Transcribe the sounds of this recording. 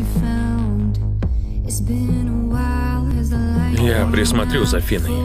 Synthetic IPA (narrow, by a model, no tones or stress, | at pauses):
ɨfãʊʊ̃nd | ɨtsb̥ɪ̃nəwaɪlˠɪzlajɛpɾesmat̪ɾizafinɐ